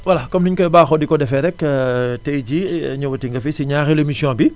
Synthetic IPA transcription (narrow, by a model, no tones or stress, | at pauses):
wɐlakɔmniɲkɔjbaːxɔdikɔdɛfɛɾɛktɛjɟiɲuwɐtiŋɡɐfisiɲaːxelemisjɔ̃ːbi